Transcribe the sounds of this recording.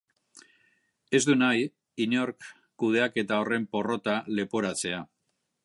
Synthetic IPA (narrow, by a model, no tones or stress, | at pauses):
e̞zd̪unaj | iɲo̞ɾkː | uð̞e̞ake̞t̪ao̞re̞mpo̞ro̞t̪ale̞po̞ɾat͡se̞a